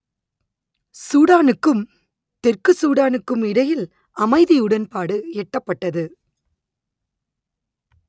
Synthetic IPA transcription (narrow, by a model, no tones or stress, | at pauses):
suːɽaːnɯkːɯm | t̪ɛrkɯsuːɽaːnɯkːɯmɪɽɐjɪl | ɐmɐɪðiɯɽɐnpaːɽɯɛʈːɐpːɐʈːɐðɯ